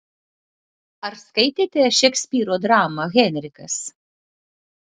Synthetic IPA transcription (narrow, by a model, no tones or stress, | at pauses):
ɐɾskɐɪt̪ʲeːt̪ʲeʃʲɛksʲpʲiːɾoːd̪ɾɑːmɐɣʲɛnʲɾʲɪkɐs